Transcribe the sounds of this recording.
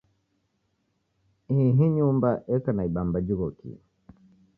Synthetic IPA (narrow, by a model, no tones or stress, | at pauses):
iɦiɲumbaʔɛkanaiɓambad͡ʒiɣɔkḭ